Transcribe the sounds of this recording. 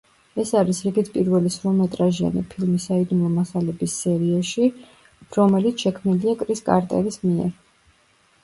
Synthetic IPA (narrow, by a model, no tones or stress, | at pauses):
ɛsaɾisɾiɡit̪ʰpʼiɾvɛlisɾɔmɛt̪ʼɾaʒia̰nḭpʰilˠmisaid̪umˠɔmasalɛbisːɛɾiaʃi | ɾɔmɛlit̪sʰʃɛkʰmniliakʼɾiskʼa̰ɾt̪ʼɛlismiɛ̰ɾ